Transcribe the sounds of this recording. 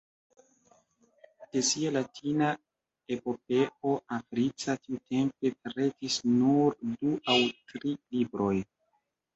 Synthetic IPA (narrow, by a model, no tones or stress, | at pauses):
d̥e̞sialatʰina | e̞po̞p̚e̞o̞afɾit͡satiute̞mpe̞pɾe̞tisnuɾduawtɾilibɾo̞j